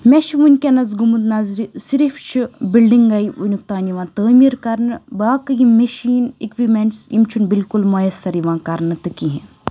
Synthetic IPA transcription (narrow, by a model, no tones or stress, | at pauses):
mʲeʃʰiʋunʲkʲɐnɐzɡumut̪nɐzɾisiɾifʰt͡ʃʰibilɖiŋɡɐiunʲuk̚t̪aːniʋãːt̪əːmiɾkɐɾnɨbaːkɐjimːɐʃiːnḭkʋimeɳʈsḭmt͡ʃʰunbilkulmɐjɐst̪ɐɾiʋãːkɐɾnɨt̪ɨkiɦɛ